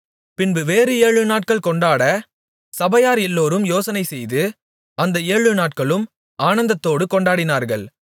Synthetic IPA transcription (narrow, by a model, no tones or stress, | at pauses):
pɪnbɯʋeːɾɯeːɻɯnaːʈ̚kɐɭkɔɳɖaːɽɐ | sɐbɐjaːɾɛlːoːɾɯmjoːsɐnɐɪsɛjðɯ | ɐnd̪ɐeːɻɯnaːʈ̚kɐɭɯm | aːnɐnd̪ɐt̪ːoːɽɯkɔɳɖaːɽɪnaːɾɣɐɭ